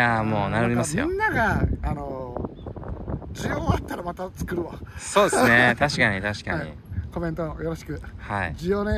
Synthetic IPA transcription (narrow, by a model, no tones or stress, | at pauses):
amo̞ːnaɾoɾʲimasɨijõ̰nːaɡaːno | d͡ʑijoːat̪ːaɾamat̪at͡sɨ̥kɯ̟ɾɯ̟βaso̞ːd̪essɨnet̪aɕi̥kaɲ̟it̪aɕi̥ka̰ɲḭ | ko̞mẽ̞nt̪oojo̞ɾo̞ɕi̥kɯ̟haḭd͡ʑijoːne